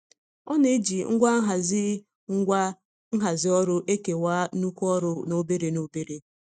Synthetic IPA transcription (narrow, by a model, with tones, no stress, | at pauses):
ɔ˦ne˦d͡ʒi˨ŋ̩˦ɡʷa˦ɦa˨zɪ˦ | ŋ̩˦ɡʷa˦ | ŋ̩˦ɦa˨zɪ˦ɔ˦ɾʊ˦ʔe˦ke˨waː˦u˦kʷu˦ɔ˦ɾʊ˦no˦be˦ɾe˨no˦be˦ɾe˦